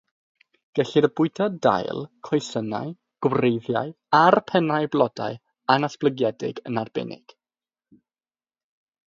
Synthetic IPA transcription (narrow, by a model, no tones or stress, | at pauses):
ɡ̥ɛɬiɾəbʊɨdʰɔda̰jlˠkʰɔjsəna̰ɨ | ɡ̥wrejðja̰ɨ | arpʰɛnajblˠɔda̰ɨ | anasb̥lˠəɡjɛdɪ̰ɡənarbɛ̰nɪ̰ɡ̥